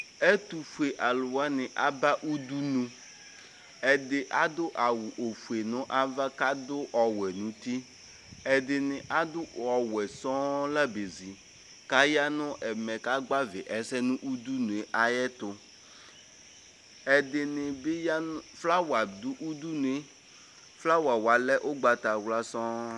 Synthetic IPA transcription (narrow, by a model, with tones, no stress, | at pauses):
ɛ˦t̪u˨fu˨e˨ʔa˨lʊ˨wa˦nɪ˨ʔa˦ba˦ʔu˦du˦nũ˦ | ɛ˨dɪ˨ʔa˦d̪ʊ˦ʔa˨wʊ˨ʔo˨fu˨e˨nʊ̃˦ʔa˦va˦ka˦dʊ˦ʔɔ˨wɛ˨nũ˨t̪i˦ | ɛ˨dɪ˨nɪ˨ʔa˦d̪ʊ˦ɔ˨wɛ˨sɔ˦la˦be˨zi˨ | ka˦ja˦nʊ̃˦ʔɛ˨mɛ˨ka˦ɡ͡ba˦vɪ˨ʔɛ˨sɛ˦nʊ̃˦ʔu˦d̪u˦nũ˨e˨ʔa˨jɛ˦t̪ʊ˨ | ɛ˨d̪ɪ˨nɪ˨bɪ˦ja˦fla˦wa˨d̪ʊ˦ʔu˦d̪u˦nu˨e˦ | fla˦wa˨wa˨lɛ˦ʔʊ˦ɡ͡ba˨t̪a˨wla˦sɔ̃˦